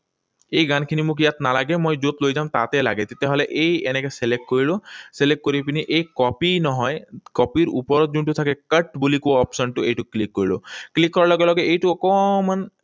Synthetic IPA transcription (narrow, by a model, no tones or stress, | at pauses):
ejɡankʰinimukijat̪nalaɡemojd͡ʒot̪lojd͡ʒamt̪a̰t̪ɛla̰ɡet̪et̪ɛɦɔleʔejenekeselek̚ʈkoɹiloselekʈ̚kːoɾiapiniʔejkɔpinɔɦɔjkɔpiɾṵpɔɾɔt̪̚d͡ʒunʈut̪ʰakekəʈbulikoɔpsɔnʈuejʈuklikːoɹilo̰klikːɔɹalɔɡelɔɡeejʈuɔkɔman